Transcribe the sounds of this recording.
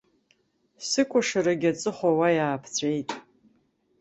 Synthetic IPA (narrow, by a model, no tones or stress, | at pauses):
sɨkʷʼʊʂaɾaɡʲat͡sʼɨχʷawajaːpʰt͡sʷʼejtʼ